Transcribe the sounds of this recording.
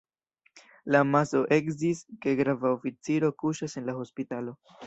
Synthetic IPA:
lamaso̞ʔe̞kziske̞ɡɾavaofit͡siɾo̞kuʃase̞nlaho̞spitalo̞

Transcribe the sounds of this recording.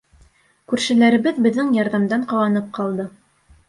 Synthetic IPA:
kʉɾʃɘ̆læɾɘ̆βɘðbɘ̆ðːɘŋjɑɾðɑmd̪ɑɴqɑwɑnɤp̚qɑlˠd̪ɤ

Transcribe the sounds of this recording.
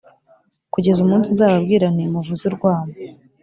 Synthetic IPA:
kuɟe̞zumuːnsinzaːβabɡiːɾan̥emuvuziɾɡwaːma

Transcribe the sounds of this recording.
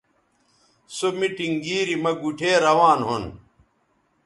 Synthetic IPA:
somiʈiŋɡiːɾimɐɡuʈʰeːɾɐwaːnɦon

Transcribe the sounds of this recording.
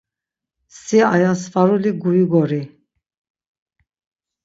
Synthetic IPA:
siajansfaɾuliɡujiɡɔɾi

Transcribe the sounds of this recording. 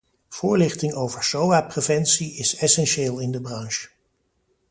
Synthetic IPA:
v̥ʊːɹlɪχtɪŋowvəɹsowaːprevɛnsiɪsɛsɛnʃeːlˠɪndəbrɑŋʃ

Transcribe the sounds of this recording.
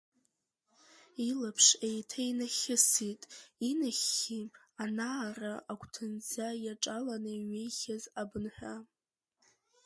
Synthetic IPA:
ilapʰʂejtʰajnaχʲɪsitʼinaχʲːianaːraʔakʷʰʼtʰɨnd͡zajaʈ͡ʂʼalanɨɥejχʲazabɨnħʷᶣa

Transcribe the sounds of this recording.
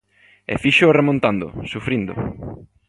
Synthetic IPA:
ɛ̰fiʃoremõnt̪and̪ʊ̰sufɾind̪ʊ̰

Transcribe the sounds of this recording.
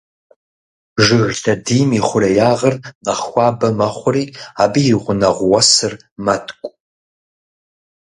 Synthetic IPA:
ʒɨɣɬʰɐdiːmiχʷʊɾɐjaːʁɐrnɐχxʷɑːbɐmɐχʷʊriːaːbijiʁʷʊnɐʁʷwɐsɨr | mɐtʰʼkʷʼ

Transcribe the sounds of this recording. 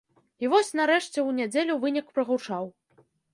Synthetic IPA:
ivɔsʲnaɾɛʂt͡sʲɛwnʲad͡zʲelʲuvɨnʲikpɾɐɣut͡ʂaw

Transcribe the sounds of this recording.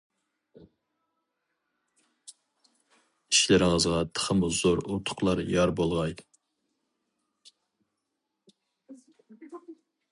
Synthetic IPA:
iʃlɪɾɪŋəzʁɑt̪ʰə̥χʰəmʊz̥oɾut̪ʰʊ̥qlˠɑɾjɑɾbolˠʁɑj

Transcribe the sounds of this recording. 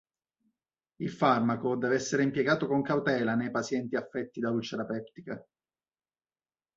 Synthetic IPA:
ilfarmakod̪ɛːveɛsːeɾeimpjeɡaːt̪okoŋkawt̪ɛːlanejpasjɛnt̪iafːɛt̪ːid̪aut͡ʃeɾapɛwt̪i̥ka

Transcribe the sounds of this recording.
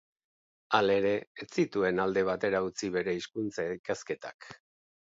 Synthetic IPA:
ale̞ɾe̞ːt͡sit̪ue̞nald̪e̞β̞at̪e̞ɾaut͡siβe̞ɾe̞iskunt͡sajkaske̞t̪a̰k

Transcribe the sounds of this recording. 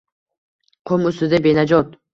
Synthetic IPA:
qʰomɵst̪ɪd̪abenad͡ʒɒt̪̚

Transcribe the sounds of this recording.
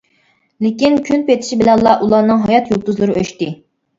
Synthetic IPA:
lɪkʲinkʲʰynpet̪ʰɪ̥ʃibɪlɛnlˠɑʔulˠɑnɨŋɦɑjɑt̪jolˠt̪uzlˠɨɾɨʔøʃt̪ɪ

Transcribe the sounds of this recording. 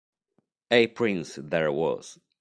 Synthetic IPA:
epʰɹĩnsðɛɹwɔ̰z̥

